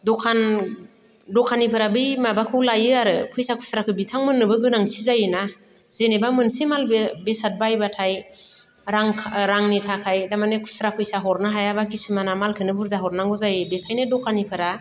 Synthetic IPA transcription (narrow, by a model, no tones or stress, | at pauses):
dɔkʰan | dɔkʰanipʰɯɾabɯjmabakʰɯwlajɯaɾɯpʰɯjsakʰu̥sɾakʰɯbitʰaŋmɯnːɯbɯɡɯnaŋtʰizajɯna | zenebamɯnsemalbebesat̚bajbatʰaj | ɾaŋkʰɾaŋnitʰakʰajdamanekʰu̥sɾapʰɯjsaɦɔɾnaɦajabakisimanamalkʰɯnɯbuɾzaɦɔɾnaŋɡɯzajɯbekʰajnɯdɔkʰanipʰɯɾa